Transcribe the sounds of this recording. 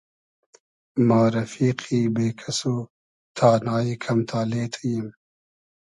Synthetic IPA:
maːɾɐfiːqʰiːbeːkʰɐsoː | t̪ʰaːnaːjikʰɐmt̪ʰaːleːt̪ʰəjim

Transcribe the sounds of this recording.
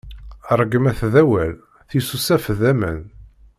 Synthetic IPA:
rˤːəɡəmæθðæwæl | θisusæfðæmə̰n

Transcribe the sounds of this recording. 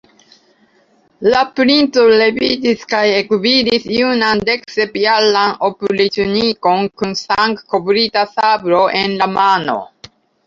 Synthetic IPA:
lapɾint͡sole̞vitiskajekvid̪isjunand̪e̞ksepjalanopulit̪uniko̞nkunsaŋkkːobɾit̪asabɾoʔenlamano̞̰

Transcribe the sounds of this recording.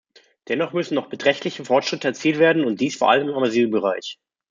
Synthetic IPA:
d̥ɛnɔχmʏsn̩nɔʊχb̥ətʁ̥ɛçtʰlɪçəfɔɐtʃʁ̥ɪtəɛɐt͡siːltv̥eːɐdn̩ʊnt̚d̥iːsfoɐʔa̰ləmɪmamazyːbəʁ̞aɪç

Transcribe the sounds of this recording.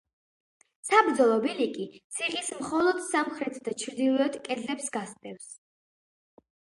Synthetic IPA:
sabɾd̪zɔlˠɔbilikʼit̪sʰiχismχɔlˠɔd̪̥samχɾɛt̪ʰd̪at͡ʃʰɾd̪ilˠɔɛt̪kʼɛd̪lɛpsɡast̪ʼɛfs

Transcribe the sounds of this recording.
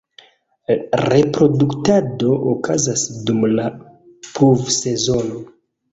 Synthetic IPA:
ɾe̞pɾo̞duktado̞ʔokʰazasdumla | pʰuvse̞zo̞no

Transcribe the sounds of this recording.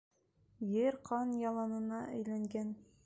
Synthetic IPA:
jɘɾqʰɑnjɑlˠɑnɤ̆nɑʔæjlæŋɡæn

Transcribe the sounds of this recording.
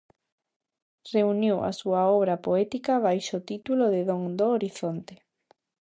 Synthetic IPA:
reunjowa̰suaɔβ̞ɾapoɛt̪ikaβajʃot̪it̪uloðeðoŋd̪oːɾiθont̪e̥

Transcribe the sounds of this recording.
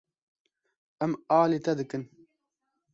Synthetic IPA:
ɛmaːlet̪ɛd̪ɨkɨn

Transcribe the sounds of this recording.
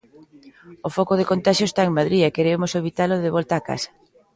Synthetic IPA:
ofɔkoð̞ekont̪aʃjoest̪aeŋmaðɾiɛkeɾemʊsoβit̪aloðɪβɔlt̪aːka̰sḁ

